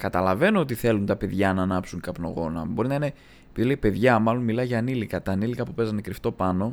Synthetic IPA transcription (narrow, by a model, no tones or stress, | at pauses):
kɐt̪ɐlɐve̞noot̪iθe̞lunt̪ɐpe̞ðʝɐnɐnɐpsuŋkɐpno̞̰ɣo̞nɐ̰bo̞ɾinɐine̞ | piðileipe̞ðʝɐmɐlo̞nmilɐʝɐːnilikɐt̪ɐːnilikɐpupe̞zɐnekɾift̪o̞pɐno̞